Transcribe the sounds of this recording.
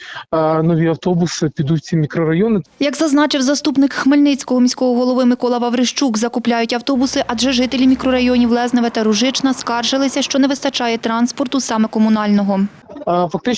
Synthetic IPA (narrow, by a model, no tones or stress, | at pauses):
nɔʋʲiɐwt̪ɔbʊsɪpʲid̪ut͡sʲːimʲikɾɔɾɐjɔnɪjɐɡzɐznɑt͡ʃɪwzɐst̪upnɪkxmelʲnɪt͡sʲkɔɦɔmʲisʲkɔɦɔɦɔlˠɔʋɪmɪkɔlˠɑʋɐwɾɪʃt͡ʃukzɐkʊplʲajʊtʲɐwt̪ɔbʊsɪʔɐdʒɛʒɪt̪elʲimʲikɾɔɾɐjɔnʲiwlˠɛznɐʋet̪ɐɾʊʒɪt͡ʃnɐskɑrʒɪlˠɪsʲɐʃt͡ʃɔnɛʋɪst̪ɐt͡ʃɑjɛt̪ɾɑnspɔrt̪ʊsɑmɛkɔmʊnɑlʲnɔɦɔ | fɐk̚t̪ɪt͡ʃ